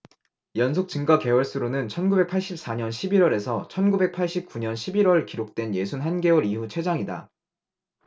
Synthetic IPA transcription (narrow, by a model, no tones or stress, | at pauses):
jʌnsʰok̚t͡ɕɯŋɡake̞wʌɭs͈uɾonɯnt͡ɕʰʌnɡube̞k̚pʰaɭɕ͈ip̚s͈aɲʌnɕʰibiɾwʌɾe̞sʰʌt͡ɕʰʌnɡube̞k̚pʰaɭɕ͈ip̚k͈uɲʌnɕʰibiɾwʌɭkiɾok̚t͈we̞nje̞sʰunɦanɡe̞oɾiɦut͡ɕʰwe̞d͡ʑaŋida̰